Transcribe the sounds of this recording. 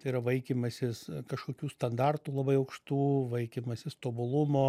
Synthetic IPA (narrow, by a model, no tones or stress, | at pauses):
t̪ɐiɾɐʋɐɪkʲimɐsʲɪskɐʃkoːkʲuːst̪ɐnd̪ɑrt̪uːlˠɐbɐɪɐʊkʃt̪uːʋɐɪkʲimɐsʲɪst̪oːbʊlˠʊmoː